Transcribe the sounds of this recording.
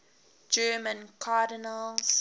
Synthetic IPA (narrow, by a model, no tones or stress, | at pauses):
d͡ʒɜːmə̃nkʰaːdinəls